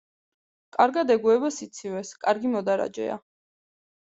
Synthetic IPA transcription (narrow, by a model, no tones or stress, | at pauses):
kʼaɾɡad̪ɛɡuɛbasit̪sʰivɛskʼaɾɡimɔd̪aɾa̰d͡ʒɛ̰a̰